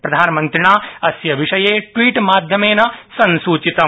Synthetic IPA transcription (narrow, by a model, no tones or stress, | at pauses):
pɾɐd̪ʱaːnɐmɐ̃nt̪ɾɪɳaːɐsjɐʋiʃɐjeːʈʋiːʈmaːd̪ʱjɐmeːnɐsɐnsuːt͡ʃit̪ɐ